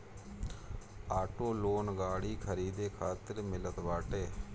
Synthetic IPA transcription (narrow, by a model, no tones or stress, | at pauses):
aːʈoːloːnɡaːɽiːkʰəɾiːd̪eːkʰaːt̪ɪɾmɪlət̪ʋaːʈeː